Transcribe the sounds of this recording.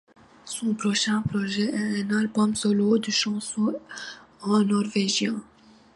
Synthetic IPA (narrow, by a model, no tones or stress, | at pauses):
sɔ̃pɾɔʃɛ̃pɾɔʒɛɛɛ̃nalbɔmsɔlod̪yʃɑ̃sɔ̃ | ɑ̃nɔʁveʒjɛ̃